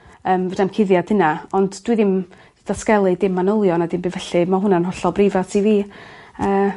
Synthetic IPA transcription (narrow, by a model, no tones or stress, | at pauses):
əːmvɔdamkʰɪðjad̥hənaɔndd̥wiðɪm | d̥askɛlˠɨdɪmːanʊlˠjɔnadɪmbivɛɬɨmaɦʊnanɦɔɬɔbrɪvasʰiviːəː